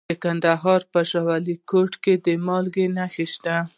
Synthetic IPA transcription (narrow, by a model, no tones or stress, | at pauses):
d̪əkand̪aɦɑɾpəʃɑwalikoʈked̪əmɑlɡenaxiʃt̪a